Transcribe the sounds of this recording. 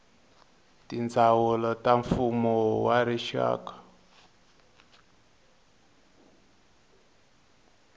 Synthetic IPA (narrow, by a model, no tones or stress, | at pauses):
tind͡zawɔlɔtaɱfumɔwaɾiʃa̰ːkḁ